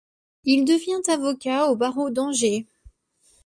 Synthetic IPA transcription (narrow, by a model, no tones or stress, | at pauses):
ild̪əvjɛ̃t̪avɔkʲaobaʁod̪ɑ̃ʒe